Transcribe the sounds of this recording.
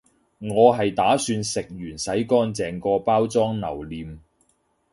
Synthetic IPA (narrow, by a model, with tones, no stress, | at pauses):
ŋɔː˨˧ɦɐ˨jt̪aː˨˥syː˧nsɪ˨k̚jyː˨˩nsɐ˨˥jkɔː˥nt͡sɛː˨˩ŋkɔː˧paː˥wt͡sɔː˥ŋnɐ̰˨˩wliː˨m